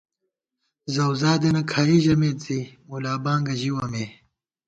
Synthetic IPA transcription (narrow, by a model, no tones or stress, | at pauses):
zɐwzaːd̪enɐkʰaːjiʑɐmeːt̪zimulaːbaːŋɡɐʑiwɐmeː